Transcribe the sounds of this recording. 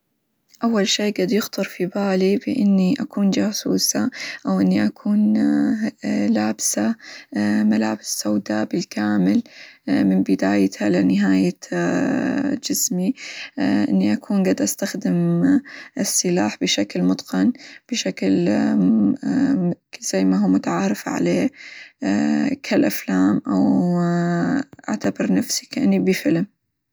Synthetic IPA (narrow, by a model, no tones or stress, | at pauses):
ʔawːalʃeːɡad̪jɪxt̪ɨɾˤfibaːlibɪ̰ʔɪnːiʔakuːnd͡ʒaːsuːsaʔawʔɪnːiʔakʰuːn | laːbsa | malaːbɪsːawd̪abɪlkaːmɪlmɪnbɪd̪aːjt̪halanɪɦaːja | d͡ʒɪsmi | ʔɪ̰nːiʔakʰuːnɡad̪ʔast̪axd̪ɪm | ʔɪsːɪlaːħbɪʃaklmʊd̪ˤqɑnb̥ɪʃakl | z̥ajːmaɦuːmʊt̪aʕaːɾɪfaʕa̰leː | kʰalʔaflaːmʔaw | ʔaʕt̪abɑɾˤnafsi̥kʔɪnːibifɪlm